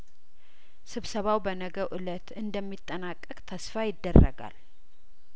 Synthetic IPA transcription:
sɨβsəβawbənəɡəʔɨlət̪ɨnd̪əmːit̪ʼːənakʼːəkʼt̪ʰəsfajɪd̪ːərːə̰ɡa̰l

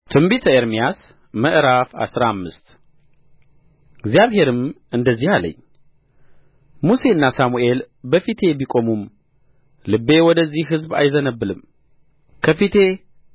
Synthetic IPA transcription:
t̪ʰɨmbit̪ʰəeɾmijas | məʔɾafa̰sɾamːɨst̪ | ɨɡzjaβhe̞ɾɨm | ɨnd̪əzːihalə̰ɲː | muse̞ɨnːasamuʔe̞l | bəfit̪ʰe̞bikʼo̞mum | lɨbːe̞wɔd̪əzːihɦɨzba̰jzənəbːɨlɨm | kʰəfit̪ʰe̞

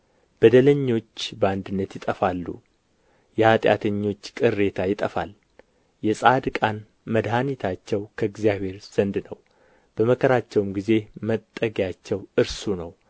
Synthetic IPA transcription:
b̥əd̪ələɲːo̞t͡ʃːbəand̪ɨnːət̪jɪt̪ʼəfalːṵ | jɛhat̪ʼja̰t̪ʰəɲːo̞t͡ʃːkʼɨrːe̞t̪ʰajɪt̪ʼəfa̰l | jɛsʼad̪kʼan | məd̪ɦanit̪ʰat͡ʃːɛwkʰəɨɡzjaβhe̞ɾz̥ənd̪nəw | b̥əməkʰəɾat͡ʃːɛwmɡize̞mət̪ʼːəɡjat͡ʃːɛwɨɾsunəw

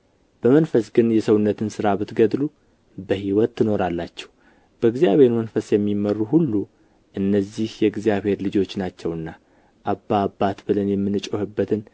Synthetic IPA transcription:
b̥əmənfəsɡɨnjɛsəwunːət̪ʰɨnsɨɾabɨt̪ɡəd̪lu | bəhiwɔt̪ʰːɨno̞ɾalːat͡ʃːɛ̥h | b̥əɨɡzijaβhe̞ɾmənfəsjɛmːimərːuhulːu | ʔɨnːəzːihjɛɨɡzijaβhe̞ɾlɨd͡ʒo̞t͡ʃːnat͡ʃːɛwɨnːa | ʔabːaːbːat̪bɨlənjɛmːɨnːɨt͡ʃʼohɨbːət̪ʰɨn

